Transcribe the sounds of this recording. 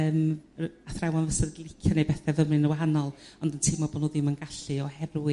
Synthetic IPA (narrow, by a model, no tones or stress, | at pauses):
əːmaθrawanvəsɛrɡiɪkʰjɔnejbɛθɛvəmrɨnəwaɦanɔlˠɔndəntʰiːmːɔboːdnoðɪmənɡaɬɨɔhɛrwɪ